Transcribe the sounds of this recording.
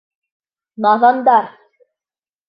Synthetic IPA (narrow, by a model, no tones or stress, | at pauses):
nɑðɑnd̪ɑɾ